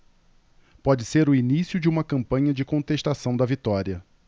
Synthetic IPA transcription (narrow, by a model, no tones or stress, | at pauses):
pɔd͡ʒɪseɾʊinisjʊd͡ʒɪũmɐkɐ̃mpɐ̃ɲɐd͡ʒɪkõt̪eʃt̪asɐ̃w̃d̪ɐvit̪ɔɾiɐ